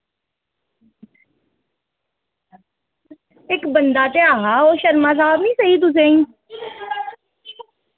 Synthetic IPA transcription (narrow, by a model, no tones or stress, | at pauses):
ɪkbənd̪aːt̪eːaːɦaːoːʃəɾmãːs̬aːbnĩːsəɦiːt̪̬ʊs̬eːĩː